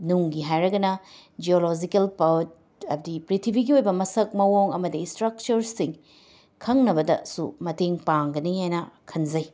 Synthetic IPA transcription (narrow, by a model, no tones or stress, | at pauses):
nuŋɡiɦajɾɐɡɐnɐd͡ʒiolod͡ʒikɐlpɐwt̚ | ɐbɐdipɾitʰibʱiɡiojbɐmɐsɐk̚mɐwoŋɐmɐdistɾɐk̚t͡ʃɐɾsiŋ | kʰɐŋnɐbɐdɐ̰sumɐteŋpaŋɡɐnihajnɐkʰɐnzɐj